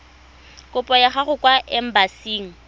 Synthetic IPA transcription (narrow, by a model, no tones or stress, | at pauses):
kʼʊpʼɔjaχaχʊkʼwaʔɛm̩basiːŋ̩